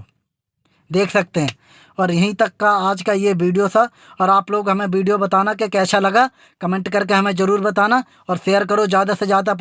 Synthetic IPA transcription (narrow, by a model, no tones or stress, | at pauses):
d̪eːkʰsɐk̚t̪eɦɛ̃ː | ɔːɾjɐɦĩt̪ɐkːaaːd͡ʒkajeʋiːɖijosʰa | ɔːɾaːploːɡɦɐmẽʋiːɖijobɐt̪aːnakekɛːsalɐɡa | kɐmẽɳʈkɐɾk̬eɦɐmẽzɐɾuːɾbɐt̪aːna | ɔːɾʃeːjəɾk̬ɐɾod͡ʒjaːd̪ased͡ʒjaːd̪ap